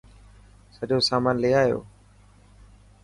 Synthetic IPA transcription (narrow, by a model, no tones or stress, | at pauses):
səʄoːsaːmaːnleːaːɦjo̰ː